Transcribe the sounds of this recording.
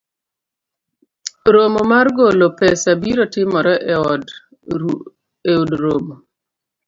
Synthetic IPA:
ɾomomarɡolopɛsabiɾotɪmɔɾɔʔɛɔd | eudɾomo

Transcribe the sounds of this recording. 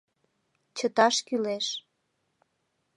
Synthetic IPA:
t͡ɕət̪ɑʃkyleʃ

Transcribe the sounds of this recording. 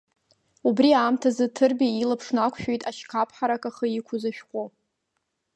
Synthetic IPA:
ubriaːmtʰazɨtʰɨrbʲailapʰʂnakʷʰʃᶣejtʼaʃkʰapʰħaɾakʼaχəikʷʰʊzaʃᶣqʷʼo

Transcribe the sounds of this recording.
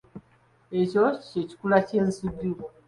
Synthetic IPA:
ecoceci̥kulacensidu

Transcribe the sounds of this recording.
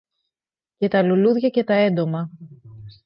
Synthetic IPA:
ce̞t̪ɐluluðʝɐce̞t̪ɐe̞nd̪o̞mɐ

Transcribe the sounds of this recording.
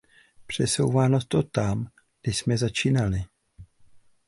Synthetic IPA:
pr̝̥ɛso̞̰wvaːnot̪o̞t̪am | ɡdɪʃsmɛzat͡ʃiːnalɪ

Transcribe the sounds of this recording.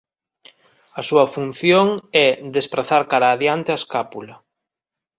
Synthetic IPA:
ɐsuɐfunθjoŋɛd̪espɾaθaɾkaɾaːðjant̪easkapulɐ

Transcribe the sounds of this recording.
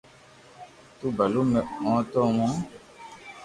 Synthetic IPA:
tubalumɛɔ̃tɔw̃ɔ̃

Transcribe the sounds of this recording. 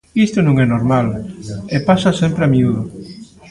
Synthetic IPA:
ist̪ʊnõŋɛnoɾmalepasasempɾeamiuðʊ

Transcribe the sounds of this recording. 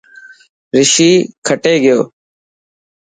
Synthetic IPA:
ɾɪʃiːkʰəʈeːɡɪjo̰ː

